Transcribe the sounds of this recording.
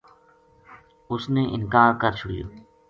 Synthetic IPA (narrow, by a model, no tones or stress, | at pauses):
ʊsnẽːʔɪnkaːɾkəɾt͡ʃʰʊɽɪjo̰ː